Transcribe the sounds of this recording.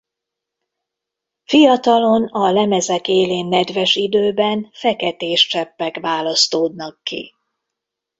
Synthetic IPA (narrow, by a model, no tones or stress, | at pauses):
fijɒt̪ɒlo̞nɒlɛmɛzɛkeːleːnːɛd̪vɛʃid̪øːbɛnfɛkɛt̪eːʃt͡ʃɛpːɛkʋaːlɒst̪oːd̪nɒkːḭ